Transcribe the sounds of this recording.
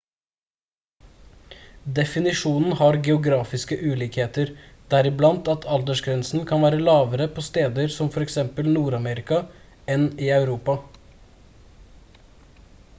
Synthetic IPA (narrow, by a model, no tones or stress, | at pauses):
d̪ɛfɪnɪʂuːnn̩hɑɾɡɛʊɡɾɑːfɪskəʔʉːliːkheːt̪əɾd̪̥æɾɪblɑnt̪ɑt̪ʰɑld̪əʂɡɾɛnsn̩kʰɑnʋæːɾəlɑːʋəɾəpʰɔst̪eːd̪əɾsɔmfɔɾɛksɛmpəlnuːɾɑmɛɾɪkɑ | ɛniːɑʉɾuːpɑ